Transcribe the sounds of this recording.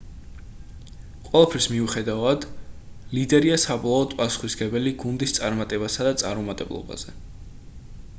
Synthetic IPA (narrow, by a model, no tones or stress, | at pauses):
qʼwɛlˠapʰɾismiuχɛd̪avad̪lid̪ɛɾiasabɔlˠaːd̪pʼasu̥χwisɡɛbɛliɡund̪ist̪sʼaɾmat̪ʼɛbasad̪at̪sʼa̰ɾmɔmat̪ʼɛblˠɔ̰ba̰z̥ɛ